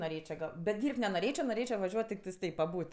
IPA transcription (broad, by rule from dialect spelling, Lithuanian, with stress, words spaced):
noːˈrʲeːt͡ʃʲoː ˈɡɐlˠ bʲɛt ˈdʲiːrʲpʲtʲ nʲɛnoːˈrʲeːt͡ʃʲoː noːˈrʲeːt͡ʃʲoː ʋɐˈʒʲuɔt tʲɪkˈtɐɪs ˈtɐɪp pɐˈbuːt